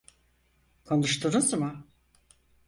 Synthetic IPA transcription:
kʰonuʃt̪ʰunuzmɯ

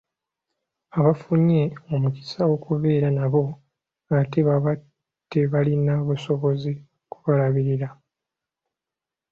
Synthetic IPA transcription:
aβafuɲe̞o̞muki̥sawo̞kuβe̞ːɾanaβo̞ | ate̞βaβa | d̥e̞βalinaβuso̞βo̞zi | ku̥βalaβiɾiɾa

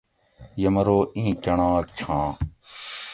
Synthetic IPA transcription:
jəməɾoːĩːt͡ʃəɳãːkt͡ʃʰãː

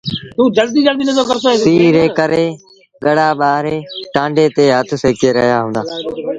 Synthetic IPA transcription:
t̪uːd͡ʒəld̪iːd͡ʒəld̪iːnəzəɾkəɾɪsoesiːɾeːkəɾeː | ɠəɽaːɓaːɦɾeːʈãːɳɖeːt̪eːɦət̪ʰʊseːkeːɾə̰ɦijaːɦũːnd̪aː

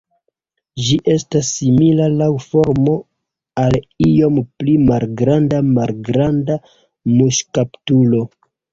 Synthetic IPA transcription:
d͡ʒiʔe̞stasːimilalawfoɾmo̞ | alijo̞mplimalɡɾandamalɡɾanda | muʃkaptulo̞

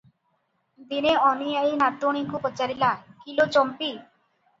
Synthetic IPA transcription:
d̪ineɔnijajnat̪oɽ̃ikupɔt͡ʃaɾilakilot͡ʃɔmpi

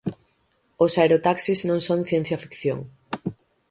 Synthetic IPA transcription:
osaeɾot̪aksiznõŋsõŋθjẽn̟θjafi̥kθjo̰ŋ

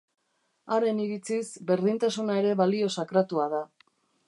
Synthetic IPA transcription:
aɾe̞niɾit͡sisbe̞ɾðint̪asunae̞ɾe̞βalio̞sakɾat̪uaða

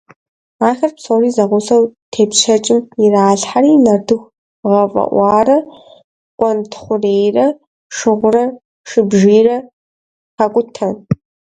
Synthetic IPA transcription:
aːxɐrpsoːriːzɐʁʷʊsɐwtʰeːpɕɐt͡ʃʼɪmɪraːɬħaɾiːnɐrdɨxʷ | ʁɐfʼɐ̰ʔʷɑːrɐ | kʷʼɔntʰχʷʊreːjrɐ | ʂɨʁʷʊrɐ | ʂɨbʒiːrɐ | xɐkʷʼʊtʰɐn

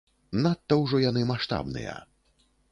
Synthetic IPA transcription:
nat̪ːɐwʐɔjanɨmaʂt̪a̰bnɨ̰jɐ̰

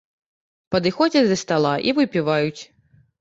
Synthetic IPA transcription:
pɐd̪ɨxɔd͡zʲɐd̪ɐst̪alˠaʔivɨpʲivajut͡sʲ

